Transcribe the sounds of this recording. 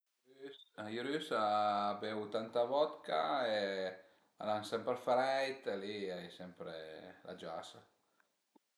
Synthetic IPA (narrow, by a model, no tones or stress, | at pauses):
sajuɾysabewt̪ant̪avɔt̪ka̰e | a̰lansɛmpɾfɾɛjt̪eliajsɛmpɾḛlʔa̰d͡ʒasa